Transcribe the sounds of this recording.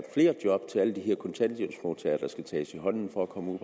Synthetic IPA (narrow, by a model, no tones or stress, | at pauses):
d̥fle̝̰ːɐd̥jɒ̽b̥t͡sʰe̝læləd̥iɦeɐ̰kʰɒ̽nt͡sʰænd̥jebsmoːt͡sʰɛːɐd̥ɑ̈sɡ̥æt͡sʰɛ̰ːsiɦɒ̽n̰n̩fɒækʰɒ̽məṵ